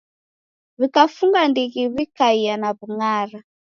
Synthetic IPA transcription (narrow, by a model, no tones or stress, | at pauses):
βikafuŋɡandiɣiβikaianaβuŋaːɾa